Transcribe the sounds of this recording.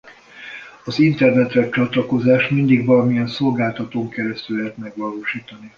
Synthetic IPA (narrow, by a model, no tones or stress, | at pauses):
ɒzint̪ɛrnɛt̪rɛt͡ʃɒt̪lɒko̞zaːʃmind̪iɡʋɒlɒmijɛnso̞lɡaːlt̪ɒt̪oːŋkɛɾɛst̪ylɛɦɛt̪mɛɡʋɒloːʃiːt̪ɒni